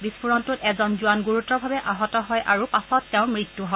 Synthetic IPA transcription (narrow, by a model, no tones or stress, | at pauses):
bispuɹɔntutɛzɔnzuanɡuɹutːɔbʱabɛʔaɦɔtɔɦɔjʔaɹupasɔtːɛʊ̃mɹitːuɦɔ